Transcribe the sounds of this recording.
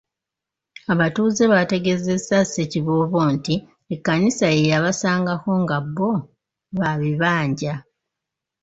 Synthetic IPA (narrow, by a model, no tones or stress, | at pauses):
aβatuːze̞βate̞ɡe̞zesaseciβoːβo̞ːnti | ekːanisaejaβasaːŋɡako̞ŋɡabːo̞ | βaβiβaːɲɟa